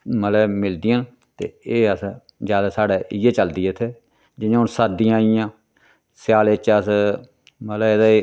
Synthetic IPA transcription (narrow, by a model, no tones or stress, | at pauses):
mət̪ləbmɪld̪ɪjãːn | t̪ḛːeːəs | zjaːd̪aːsaːɽeːʔɪeːt͡ʃəld̪iːt̪ʰeː | d͡ʒɪnãːʊnsad̪ɪjãːijãː | sjaːlet͡ʃəs | mət̪ləed̪a